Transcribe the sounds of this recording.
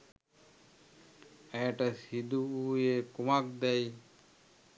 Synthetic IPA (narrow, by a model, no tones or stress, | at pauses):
ɛʈasid̪uujekumak̚d̪ɛj